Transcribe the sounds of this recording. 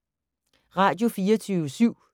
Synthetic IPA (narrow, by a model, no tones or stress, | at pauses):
ʁɑ̈d̥jo̝fiːɐt͡sʰyːʋəsyʊ̰